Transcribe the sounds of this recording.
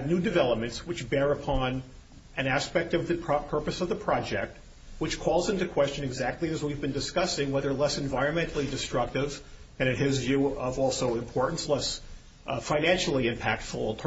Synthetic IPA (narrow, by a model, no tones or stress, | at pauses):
nʉdɨvɛlˠəp̚mɨ̃ntswɨt͡ʃbɛɹɨpʰɑ̃n | ʔɨ̃næspɛk̚tʌvðɨpʰpʰɜ˞pɨsʌvðəpʰɹ̥ɑd͡ʒɛk̚t̚ | wɨt͡ʃkʰɔlˠzɪ̃ntɨkʰw̥ɛst͡ʃɨ̃nɨɡzæk̚tˡliɨzwivbɨ̃ndɨskʌsɪ̃ŋwɛðə˞lɛsɨ̃ɱvaɪɹɨ̃nmɛ̃ntˡl̩ˠidɨstɹ̥ʌk̚tɪv | ɨ̃ɾ̃ɨ̃nɪzvjʉʌvɔlˠsoʊɨ̃mpʰɔɹʔn̩slɛs | fãɪ̃næ̃nʃl̩ˠiɨ̃mpʰæk̚tfl̩ˠtʰ